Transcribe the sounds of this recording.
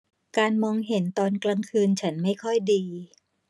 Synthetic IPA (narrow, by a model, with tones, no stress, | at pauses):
kaː˧nmɔː˧ŋɦe˩˦nt̪ɔː˧nkla˧ŋkʰɯː˧nt͡ɕʰa˦˥nma˥˩jkʰɔ˥˩jdiː˧